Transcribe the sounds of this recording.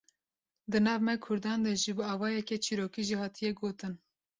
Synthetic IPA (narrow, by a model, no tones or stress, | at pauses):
d̪ɨnɑːvmɛkʰʊɾd̪ɑːnd̪ɛʒibɨɑːvɑːjɛkɛt͡ʃʰiːɾoːkiʒihɑːt̪ʰijɛɡoːt̪ɨn